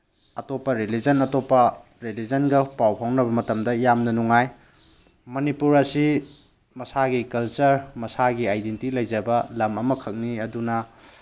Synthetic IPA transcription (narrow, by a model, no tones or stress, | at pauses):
ɐtopːɐɾelid͡ʒɐnɐtopːɐ | ɾelid͡ʒɐnɡɐpawpʰawnɐβɐmɐtɐmdɐjamnɐnuŋaj | mɐnipuɾɐsi | mɐsaɡikɐlt͡ʃɐɾmɐsaɡiajdentilɐjd͡ʒɐbɐlɐmɐmɐkʰɐk̚niɐdunɐ